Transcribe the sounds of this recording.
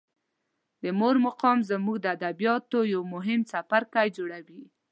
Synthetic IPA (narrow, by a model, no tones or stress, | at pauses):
d̪əmoɾmaqɑmzamuɡd̪əad̪abijɑt̪ojawmʊɦɪmsafaɾkajd͡ʒoɽawi